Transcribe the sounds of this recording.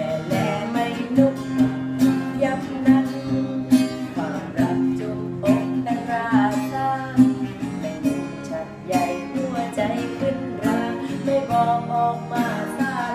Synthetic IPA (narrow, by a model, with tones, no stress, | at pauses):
lɛː˨˩˦ma˥˧˩jnu˧˩k̚ | ja˧˥k̚na˧˥n̚ | kʰaː˧˩mɾa˧˩p̚t͡ɕo˧ŋʔo˨˩kk̪a˧nɾaː˦˥saː˧˥˧ | t͡ɕʰa˧˩n̚ja˧˩jhu˧˩ət͡ɕa˧jpʰɯ˧˩naː˧ma˥˩jbɔː˧ʔɔː˨˧˩k̚maː˧˩maː˧˩